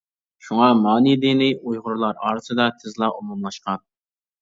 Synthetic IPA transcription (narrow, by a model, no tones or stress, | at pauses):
ʃuŋɑmɑːnid̪ɪnɪʔujʁʊɾlˠɑɾɑ̰ːɾɨsɨd̪ɑt̪ʰɪzlˠɑʔumumlˠɑʃqɑn